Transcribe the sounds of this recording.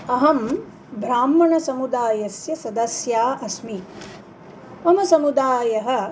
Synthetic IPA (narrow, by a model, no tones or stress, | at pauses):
ɐɦɐm | bʱɾaːmːɐɳɐsɐmud̪aːjɐsjɐsɐd̪ɐsjaːʔɐsmi | ɐmɐsɐmud̪aːjɐɦɐ̆